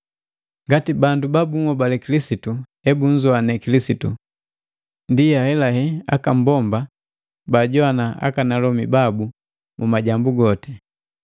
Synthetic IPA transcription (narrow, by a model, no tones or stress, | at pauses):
ŋɡatibandubabuŋwɔbalɛkilisitu | ɛbuɲd͡ʒɔanɛkilisitu | ndijahɛlahɛa̰kam̩bɔmba | baɟɔanaa̰kanalɔmibabu | mumaɟambuɡɔtɛ